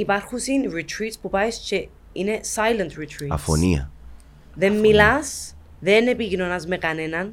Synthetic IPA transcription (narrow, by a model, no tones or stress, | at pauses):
ipaɾxusinɹit̪ʰɾit̪spupajst͡ʃe | inesajlent̪ɹit̪ʰɾiɐ̰fo̰niɐ̰ | ðemːilas | ðenepiʝinonazmekanenɐn